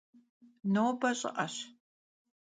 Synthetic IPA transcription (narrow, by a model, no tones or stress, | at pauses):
noːbɐɕʼɪ̰ʔɐɕ